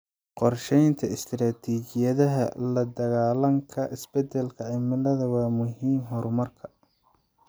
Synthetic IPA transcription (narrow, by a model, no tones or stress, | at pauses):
qɔrʃɛjnt̪ʰɐɪst̪ʰɾaːt̪ʰiːt͡ʃɪjɐðɐɦɐ̰lɐd̪ɐɣaːlɐŋkʰɐʔɪsbɛd̪ɛlkʰɐʕɪmɪlɐðɐwɑːmʊɦiːmɦɔɾmɐrkʰɐ̥